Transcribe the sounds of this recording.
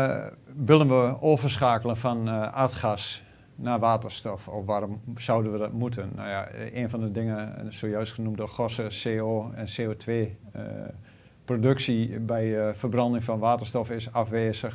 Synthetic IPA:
ʋɪlˠənʋəoːvərsxaːkəlˠənfɔnartxas | naʋaːtərstɔfɔfʋarɔmsawdənʋədɔtmut̬ʰənːa̰wjaeːnfɔndədɪŋənsoːjœɥstχənumdɔxɔsəseːoːɛnseːoːtʰʋeː | prodɵksibɛjfərbrɑndɪŋfɔnʋaːtərstɔfɪsafʋeːzəx

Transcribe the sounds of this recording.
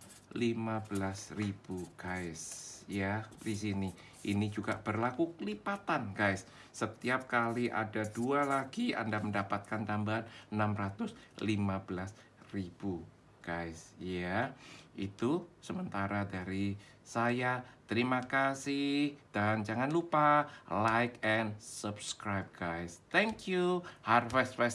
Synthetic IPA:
limabəlasrib̥uɡ̥ajsjadisini | ʔinid͡ʒuɡab̥ərlakukəlipat̪anɡajsː | ət̪iap̚kaliʔa̰dadualaɡia̰ndaməndapat̪̚kant̪ambaɦanənamrat̪ʊslimabəlas | rib̥u | ɡ̥ajsjaʔḭt̪usəmənt̪aɾadaɾi | sajat̪əɾimakasɪhd̥and͡ʒaŋanlupalajkɛnsəbskɾajp̚ɡ̥ajst̪ɛŋkjuharfɛstfɛs

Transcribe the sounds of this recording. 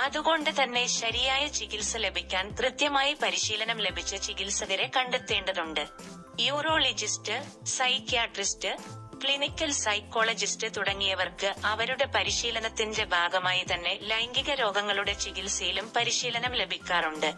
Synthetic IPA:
ɐðuɣo̞ɳɖɨt̪ɐnːe̞ɕɐɾijaːjɐt͡ɕiɣilsɨle̞bʱikʲːaːnt̪rɨt̪jɐmaːjipɐɾiɕiːlɐnɐmle̞bʱit͡ɕːɨt͡ɕiɣilsɐðiɾe̞kɐɳɖut̪ːe̞ːɳɖɐðuɳɖɨ | juːro̞ːlid͡ʑistɨ | sɐjkːijaːʈristɨ | kɭinikʲːɐlsɐjkːo̞ːɭɐd͡ʑistɨt̪uɽɐŋːijɐʋɐrkɨɐʋɐɾuɽe̞pɐɾiɕiːlɐnɐt̪ːinde̞bʱaːɡɐmaːjit̪ɐnːe̞lɐjŋɡiɣɐɾo̞ːɡɐŋːɐɭuɽe̞t͡ɕiɣilsijilumpɐɾiɕiːlɐnɐmle̞bʱikʲːaːruɳɖɨ

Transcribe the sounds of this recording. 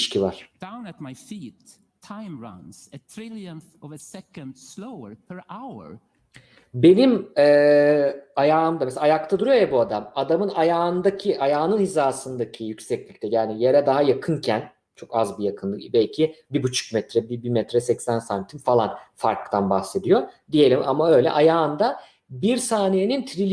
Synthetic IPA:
ʃcʰivaɾ̥d̥ãʊ̃næt̚majfiːtʰːãɪ̃mɹãnz̥ət̪ʰɹɪlˠjə̃nθɔvəsɛkə̃nd̪̥sloʊə˞pʰə˞ʔaʊə̰˞ | be̞nimɛː | ajaːɯmd̪amɛseajakt̪ʰad̪uɾujojabuad̪amad̪amɯnajaːɯnd̪acʰiʔajaːnɯnhizaːsɯnd̪acʰijycsɛclʲicʲt̪ʰɛjaːnijeɾɛd̪aɦajakʰɯncʰæn | t͡ʃʰo̞kazbijakʰɯnlˠɯbɛlʲcʰibibut͡ʃʰu̥kmɛt̪ʰɾɛbibimɛt̪ɾɛsɛcsænsamt̪ʰimfalˠa̰nfaɾkt̪ʰanbaxse̞d̪ijod̪ijelʲimʔamaø̞jlʲɛ̰ʔajaːɯnd̪a | biɾsaːnijenint̪ʰɾilʲ

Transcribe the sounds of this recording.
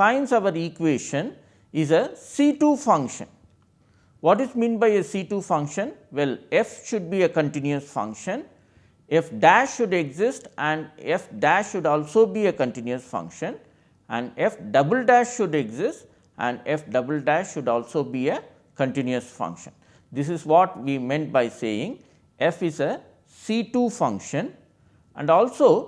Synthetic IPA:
sãɪ̃nsʌʋəɾikʋeːʃə̃n | ɪzəsiːʈuːfʌ̃ŋkʃə̰̃n | ʋɔːʈɪzmĩːnbaɪesiːʈuːfʌ̃ŋkʃə̃nʋɛlefʃʊɖ̚biːekə̃ɳʈɪ̃njuəsfʌ̰̃ŋkʃə̃n | efɖæʃːʊɖeɡzɪsʈæ̃ɳɖefɖæʃːʊɖɔːlsoːbiːekə̃ɳʈɪ̃njuəsfʌ̰̃ŋkʃə̃n | æ̃ɳɖefɖʌbəlɖæʃːʊɖeɡzɪsʈ | ʔæ̰̃ɳɖefɖʌbəlɖæʃʃʊɖɔːlsoːbiːe | kə̃ɳʈɪ̃njuəsfʌ̰̃ŋkʃə̃n | d̪ɪs̬ɪzʋɔːʈʋiːmẽɳʈ̚baɪsḛːɪ̃ŋ | ʔefɪzə | siːʈuːfʌ̃ŋkʃə̃n | ʔæ̰̃ɳɖɔːlsoː

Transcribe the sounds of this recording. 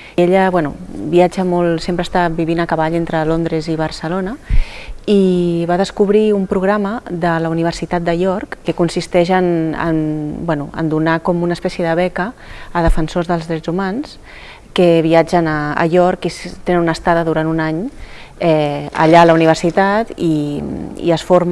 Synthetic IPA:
eʎəβwɛnṵbiad͡ʒəmɔlˠsempɾəst̪aβiβinəkəβaʎent̪ɾəlond̪ɾeziβ̞əɾsəlonə | iβaðəskuβɾiumpɾuɣɾaməðələuniβ̞əɾsit̪at̪̚d̪əjɔɾkːekunsist̪ɛʒənə̰nbwɛnuʔə̰nd̪unakɔmunəspɛsjəðəβ̞ɛkəːðəfənsozðəlˠzðɾɛzumans | kəβ̞iad͡ʒənə̰ːjɔɾkist̪enənunəst̪aðəðuɾant̪unaɲ | ɛə̰ʎaələuniβ̞əɾsit̪at̪i | ḭəsfoɾm

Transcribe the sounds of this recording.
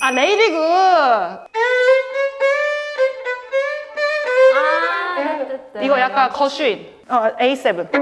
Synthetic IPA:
aneiɾiɡɯ | iɡɔjakːakʰɔɕuin | ɔejsɛbə̃n

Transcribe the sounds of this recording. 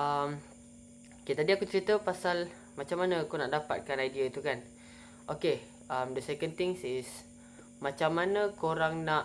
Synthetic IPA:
ʔəm | oket̪adiakut͡ʃəɾit̪əpasal | mat͡ʃamːanaːkunaʔdapa̰t̪̚kanajdiait̪ukan | ʔoke | əmdəsɛkənt̪ɪŋsɪs | mat͡ʃamːanə̃koɾaŋnaʔ

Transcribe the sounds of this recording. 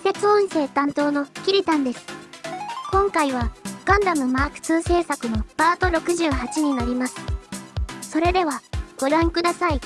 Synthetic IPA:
se̞t͡sõɰ̃se̞ːt̪ãnt̪o̞ːno̞̥kʲiɾʲit̪ãnd̪e̞sɨ̥ | kõ̞ŋkaiβaɡ̥ãnd̪amɯ̟maːkɯ̟̥t͡sɨːse̞ːsakɯ̟no̞b̥aːt̪o̞ɾo̞kɯ̟ʑɨːɦat͡ɕiɲ̟inaɾʲimasɨ̥ | so̞ɾe̞d̪e̞βaɡ̥o̞ɾãŋkɯd̪asai

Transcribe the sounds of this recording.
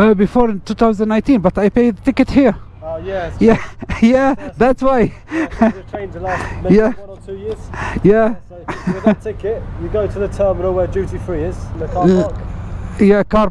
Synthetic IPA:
əbɪfɔːɹɪ̃ntʰuːθaʊzəndənːãɪ̃ntĩnbʌt̪ðieɪpieɪðtɪkəthiəɹ | ojɛjæjæðætswaɪ | əɹ̥ẽɪ̃ntəlamjæw̃nətʰʉːjɪəz̥jæ | wðtʰɪkɪʔjəɡoʊtʰəðətʰɜːmɪnəlˠwəd͡ʒʉˑtifɹiːɪz̥nəkʰɑ | jækʰɑː

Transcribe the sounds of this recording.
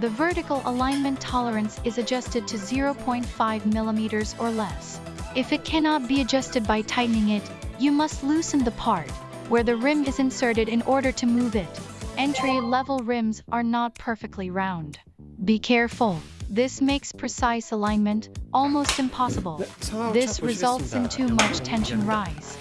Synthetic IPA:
ðɨvɜ˞ɾɨkl̩ˠə̰lãɪ̃nmɨ̃ntʰɑlˠə˞ɨ̃nsɨzɨd͡ʒʌstɨd̚tʰɨzɪɹoʊpʰɔ̃ɪ̃ntfaɪvmɪlˠəmiɾə˞zə˞lɛs | ɨfɨt̚kʰænɑt̚b̥iɨd͡ʒʌstɨd̚baɪtʰaɪʔⁿn̩ɪ̃ŋɪt | ɨmʌstˡlʉsɨ̃n̩ðəpʰɑɹt̚ | wə˞ðɨɹɪ̃mɨzɨ̃nsɜ˞ɾɨɾɨ̃nʔɔɹɾə˞ɾɨmuvɪɾɛ̃ntɹ̥ilɛvl̩ˠɹɪ̃mzʔə˞nət̚pʰɜ˞fɨk̚tʰˡliɹãʊ̃nd̥ | bikʰɛɹfl̩ˠðɪsmeɪkspʰɹ̥ɨsaɪsəlãɪ̃nmɨ̃ntʔɔlˠmoʊstɨ̃mpʰɑsəbl̩ˠðɪsɹɨzʌlˠtsɨ̃ntʰʉmʌt͡ʃtʰɛ̃nʃɨ̃n̩ɹaɪz̥

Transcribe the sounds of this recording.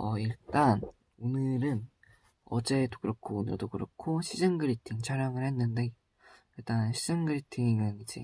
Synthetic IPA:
ʌiɭt͈an | onɯɾɯn | ʌd͡ʑe̞dokɯɾʌkʰoːnɯ̰ɭdokɯɾʌ̰kʰoɕʰid͡ʑɯŋɡɯɾitʰiŋt͡ɕʰaɾjʌŋɯɭhe̞nːɯnde̞ | iɭt͈annɕʰid͡ʑɯŋɡɯɾitʰiŋjɯnid͡ʑḛ

